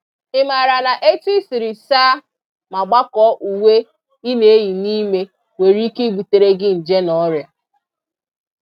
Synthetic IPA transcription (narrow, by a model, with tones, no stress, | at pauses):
ɪ˦ma˨ɾa˨na˨ʔe˦tu˦i˦si˨ɾi˨saː˦ | ma˨ɡ͡ba˦kɔ˦ʔu˨we˦ | i˦ne˨˦ji˨ni˦me˦ | we˨ɾi˦ke˦ɡ͡bu˨te˨ɾe˦ɡɪ˦n̩˨d͡ʒe˦nɔ˦ɾja˨